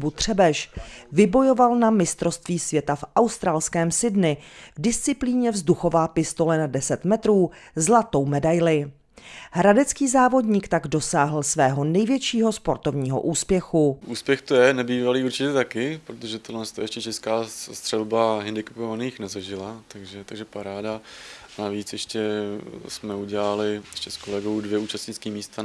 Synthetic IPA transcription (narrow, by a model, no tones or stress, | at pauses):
but̪r̝̥ɛbɛʃvɪbo̞jo̞valnamɪst̪ɾo̞st̪viːsvjɛt̪afʔawst̪ɾaːlskɛːmsɪdnɪvdɪst͡sɪpliːɲɛvzduxo̞vaːpɪst̪o̞lɛnadɛsɛt̪mɛt̪ɾuːzlat̪o̞wmɛdajlɪ | ɦɾadɛt͡skiːzaːvo̞dɲiːkt̪aɡdo̞saːɦl̩svɛːɦo̞nɛjvjɛt͡ʃiːɦo̞spo̞ɾt̪o̞vɲiːɦo̞̰ʔuːspjɛxuʔuːspjɛxt̪ojɛnɛbiːvaliːuɾt͡ʃɪcɛt̪akɪpɾot̪oʒɛt̪odlɛnst̪ojɛʃcɛt͡ʃɛskaːst̪r̝̥ɛlbaɦɪndɪkɛ̥povaniːxnɛzaʒɪlat̪aɡʒɛt̪aɡʒɛpaɾaːdanaviːt͡sjɛʃcɛsmɛuɟɛlalɪjɛʃcɛskolɛɡowdvjɛuːt͡ʃast̪ɲɪt͡skiːmiːst̪a